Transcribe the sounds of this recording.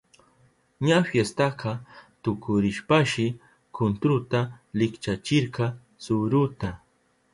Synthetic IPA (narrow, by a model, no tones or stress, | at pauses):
ɲafjest̪ɑqɑt̪ʊkʊɾɪʃpaʃɪ | kʰʊnt̪ɾʊt̪alɪkt͡ʃat͡ʃɪɾqɑ | sʊɾʊt̪a